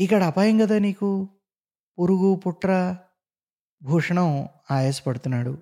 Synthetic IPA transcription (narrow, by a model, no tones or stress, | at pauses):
ikːɐɽɐːpaːjɐŋɡɐd̪aːniːku | puɾuɡupuʈːɾɐ | bʱuːʂɐɳɐm | aːjeːsɐ̥pɐɽut̪unːaːɽu